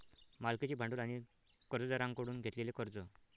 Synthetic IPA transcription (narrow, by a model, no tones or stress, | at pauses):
malket͡ɕiːbʱãɳɖuːlaɽ̃i | kəɾd͡zɔd͡zaɾãŋɡkəɽuːnɡʱet̪lelekəɾd͡zɔ